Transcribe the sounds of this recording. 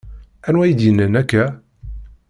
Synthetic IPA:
ænwæjid̪jənːənækːæ

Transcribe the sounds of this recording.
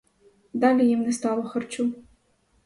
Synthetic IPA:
d̪alʲijimnʲɛst̪alˠɔxɐrt͡ʃu

